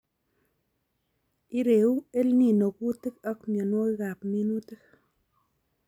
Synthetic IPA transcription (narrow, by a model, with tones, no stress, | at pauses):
i˦ɾe˨u˦e˦lni˨no˨ku˦t̪e˦ka˦kma˨no˦i˦ɣa˨pmi˦nu˦t̪ɨ˦k